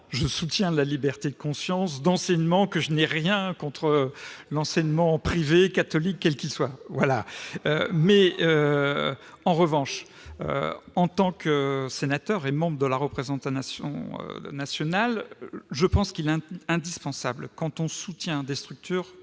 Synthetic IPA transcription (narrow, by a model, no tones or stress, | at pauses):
ʒəsut̪jɛ̃əlalibɛʁt̪ed̪əkɔ̃sjɑ̃sd̪ɑ̃sɛɲmɑ̃kəʒənɛʁjɛ̃kɔ̃t̪χəlɑ̃sɛɲmɑ̃pχivekːat̪ɔlikːɛlkʲilswavwalaø̰mɛø | ɑ̃ʁəvɑ̃ʃ | ø̰ɑ̃t̪ɑ̃køsenat̪œʁemɑ̃bʁəd̪əlaʁəpχezɑ̃t̪sjɔ̰̃ø̰nasjɔnalʒəpɑ̃skilɛ̃ɛ̃d̪ispɑ̃sablkɑ̃t̪ɔ̃sut̪jɛ̃d̪est̪χyk̚t̪ʰyːʁ